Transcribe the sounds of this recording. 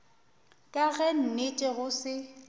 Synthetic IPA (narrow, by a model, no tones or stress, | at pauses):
kʼaɣɛn̩net͡ʃʼɛɣʊsɪ